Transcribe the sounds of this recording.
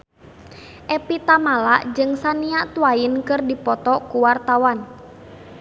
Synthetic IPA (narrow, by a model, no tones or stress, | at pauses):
ʔɛpit̪amalaʔd͡ʒɨŋsaniaʔt̪uainkɨrdipɔt̪ɔkuwart̪awan